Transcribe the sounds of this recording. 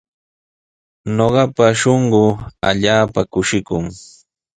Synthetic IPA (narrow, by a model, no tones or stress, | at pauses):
noɢɑpaʃoɴɢʊa̰ʎaːpakʊʃɪkʊŋ